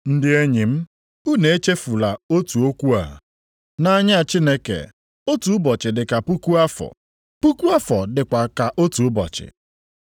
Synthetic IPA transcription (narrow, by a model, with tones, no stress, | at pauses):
n̩˦dɪ˦e˦ɲi˨m̩˦ | u˦ne˨e˦t͡ʃe˦fu˨la˨o˦tu˨o˦kʷu˦a̰˨ | na˦ɲ˦a˨t͡ʃi˦ne˦kḛ˨ | o˦tu˨˦bɔ˨t͡ʃɪ˨dɪ˨ka˨pu˦ku˦a˦fɔ̰˨ | pu˦ku˦a˦fɔ˨dɪ˨kʷa˨ka˨ʔo˦tu˨ʊ˦bɔ̰˨t͡ʃɪ̰˨